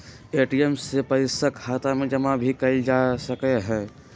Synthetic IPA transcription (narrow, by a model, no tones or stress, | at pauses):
eːʈijɛmsepəɾɪsəkʰaːt̪amẽd͡ʒɐmãbʱikɐid͡ʒaːsɐkeɦɛ̃ː